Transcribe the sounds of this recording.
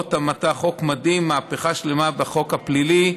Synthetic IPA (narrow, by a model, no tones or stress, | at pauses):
thamataχo̞kmad̪imːaːpeχaʃle̞mabeχo̞khaplili